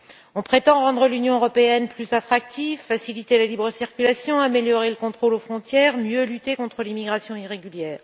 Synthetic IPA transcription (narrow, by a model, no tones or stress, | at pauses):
ɔ̃pχet̪ɑ̃ʁɑ̃d̪ʁəlynjɔ̃øʁɔpeɛnplyzat̪χak̚t̪ifːasilit̪elalibʁəsiʁkʲylasjɔ̃ameljɔʁeləkɔ̃t̪χolofχɔ̃t̪jɛːʁmjølyt̪ekɔ̃t̪χəlimiɡʁasjɔ̃iʁeɡʲyljɛːʁ